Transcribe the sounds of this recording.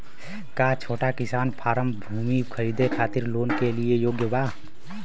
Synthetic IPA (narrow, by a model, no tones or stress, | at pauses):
kaːt͡ʃʰoːʈakɪsaːnpʰaːɾəmbʱuːmikʰəɾiːd̪ʱekʰaːt̪ɪɾloːnkeliejoːɡjəbaː